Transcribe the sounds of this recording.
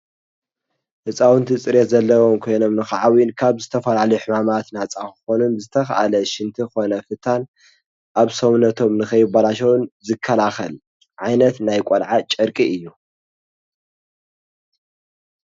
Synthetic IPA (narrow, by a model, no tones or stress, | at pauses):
hɨt͡sʼawɨnt̪ʰit͡sʼɨɾjet̪zɐlːɐwo̞mkʰo̞jno̞mnɨxaʕawinkʰaβzɨt̪ʰɐfɐlalɐjuħɨmamat̪nat͡sʼakɨxo̞nunzɨt̪ʰɐxɐʔa̰lɐʃɪnt̪ʰixo̞nɐfɨt̪ʰan | ʔaβsɐwnɐt̪ʰo̞mnɨxɐjɪbalaʃ̬ɐwnzɨkʰːɐlaxɐl | ʕajnɐt̪najkʷʼolʕat͡ʃʼɐɾkʼiʔɨjːu